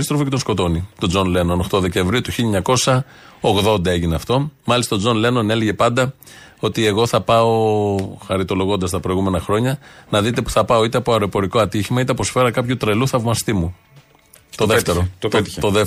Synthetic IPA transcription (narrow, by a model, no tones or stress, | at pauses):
ist̪ɾo̞focet̪osko̞t̪o̞nit̪o̞d͡zo̞nle̞no̞noxt̪o̞ðe̞ce̞ɱvɾiut̪uçiʎɐɲɐko̞sɐ | oɣðo̞nd̪ɐe̞ʝineɐft̪o̞mɐlist̪ɐod͡zo̞nle̞no̞ne̞leʝe̞pɐnd̪ɐ | o̞t̪ie̞ɣo̞θɐpɐoxɐɾit̪o̞lo̞ɣo̞nd̪ɐst̪ɐpɾo̞ijɣume̞nɐxɾo̞ɲɐnɐðit̪e̞pu̥θɐpɐo̞it̪eɐpo̞ɐɾo̞epo̞ɾiko̞ɐt̪içimɐit̪eɐposfe̞ɾɐkɐpçut̪ɾe̞luθɐvmɐst̪imu | t̪oðeft̪eɾot̪t̪t̪t̪oðe